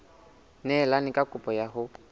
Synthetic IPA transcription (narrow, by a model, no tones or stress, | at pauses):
nɛlanɪkʼakʼʊpʼɔjaɦʊ